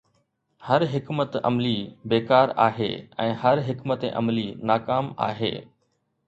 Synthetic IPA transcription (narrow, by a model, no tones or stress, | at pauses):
hɐɾɦɪkmət̪ɐ̰mlibeːkaːɾa̰ːɦḛːɛ̃ːhɐɾɦɪkmət̪ḛʔɐ̰mlinaːkaːma̰ːɦḛː